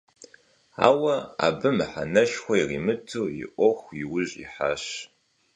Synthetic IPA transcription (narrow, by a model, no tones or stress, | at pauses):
a̰ːwɐa̰ːbɨmɨħanɐʃxʷɔiriːmɨtʰɨːjḭʔʷɔxʷiwʊʑʼḭħaːɕ